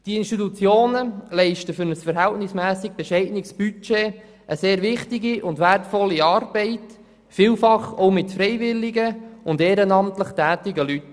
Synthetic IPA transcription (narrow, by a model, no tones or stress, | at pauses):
d̥iɪnsʃtitut͡sjoːnəlɛɪʃtəfʏɾnəsfəɾɦɛltnɪsmæːsɪɡ̚b̥ɛʃɛɪdnɪksb̥yt͡ʃeː | ʔəseːɾʋɪχtɪɡiʔʊndʋærtfɔlːiɑːrb̥ɛɪt | fiːlfɑχoʊmɪtfɾɛɪvɪlːɪɡəʊndeːɾənɑmtləχtæːtɪɡəlyt